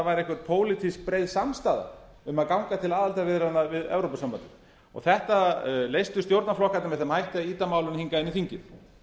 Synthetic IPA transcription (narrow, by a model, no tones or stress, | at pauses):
vajɾɛhkvɛɾ̥t̪̚pʰoːwlɪt̪ʰisk̚pɾejðsamst̪aːða̰ | ʏmaðkawŋkat̪ʰɪlaːðalt̪avɪðɾanːavɪðɛ̰vɾowpasampant̪ɪm | ɔ̰ɣθɛht̪alejst̪ʏst̪jowɾt̪naflɔhkat̪namvɛðθɛmhajht̪ɪaiːt̪amaːwlʏnhiŋkaɪnːɪθiɲcɪm